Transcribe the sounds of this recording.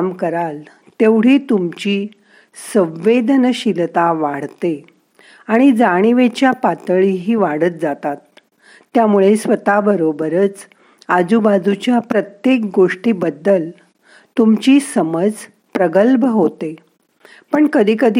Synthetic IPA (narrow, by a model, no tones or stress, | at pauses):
mkəɾal | t̪eʋɽ̤iːt̪umt͡ɕiː | sə̃ʋʋed̪nəɕilt̪aʋaɽ̤t̪e | aɽ̃id͡zaɽ̃iʋet͡ɕjapat̪əɭiɦiːʋaɽət̪̚d͡zat̪at̪ː | jamuɭesʋət̪abəɾobəɾət͡s | ad͡zubad͡zut͡ɕjapɾət̪jek̚ɡoʂʈiːbəd̪ːəl | t̪umt͡ɕiːsəməd͡z | pɾəɡəlbʱəɦot̪e | pəɳkəd̪ʱiːkəd̪ʱ